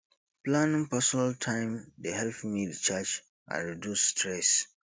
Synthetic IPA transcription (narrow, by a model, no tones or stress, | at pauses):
plãnĩŋpɛsɔnaltʰãɪ̃mdeɦɛlθimilt͡ʃad͡ʒ | ã̰nɹidjusːtɹɛs